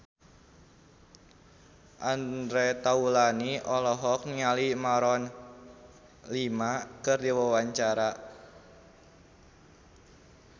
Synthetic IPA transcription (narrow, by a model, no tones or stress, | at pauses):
ʔand̪ɾet̪aulaniʔɔlɔɦɔk̚nialimaɾɔn | limakɨrdiwəwaɲt͡ʃaɾa